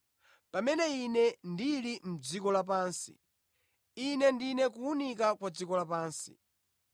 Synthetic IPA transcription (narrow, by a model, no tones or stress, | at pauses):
pamɛnɛinɛndilim̩d͡zikɔlap̬aːnsḭ | inɛndinɛkuunik̬akwad͡zikɔlapaːnsi̥̰